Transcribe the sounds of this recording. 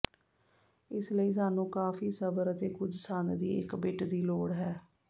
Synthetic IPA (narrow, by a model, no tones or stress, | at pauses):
ɪsləiːs̬aːnũːkaːfiːsəbəɾət̪eːkʊd͡ʒsaːnd̪ḭːɪ̰kbɪʈd̪iːloːɽɦɛː